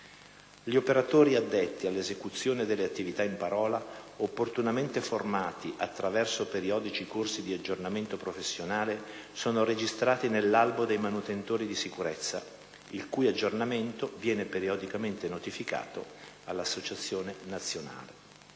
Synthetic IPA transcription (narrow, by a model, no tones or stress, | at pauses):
ʎiopeɾat̪oːɾiad̪ːet̪ːialːezekut̪sːjoːned̪elːeat̪ːivit̪aimpaɾɔːlaopːort̪unament̪eformaːt̪iʔat̪ːɾavɛrsopeɾiɔːd̪it͡ʃikorsid̪iad͡ʒːornament̪opɾofesːjonaːlesoːnoɾed͡ʒist̪ɾaːt̪inelːalbod̪ejmanut̪ent̪oːɾid̪isikuɾet̪sːa̰ | ilkujad͡ʒːornament̪ovjɛːnepeɾiod̪ikament̪enot̪ifika̰ːt̪o̰ | alːasːot͡ʃat̪sːjoːnenat̪sːjona̰ːle